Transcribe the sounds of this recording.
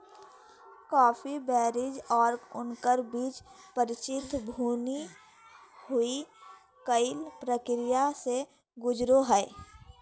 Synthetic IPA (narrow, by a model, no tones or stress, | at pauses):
kɔːfʰibɛːɾɪd͡ʒɔːɾʊnkəɾbiːt͡ʃpəɾɪt͡ʃɪt̪ʰbʱuːni | hʊi | kəɪlpɾəkɾɪjase | ɡʊd͡ʒɾoɦɛː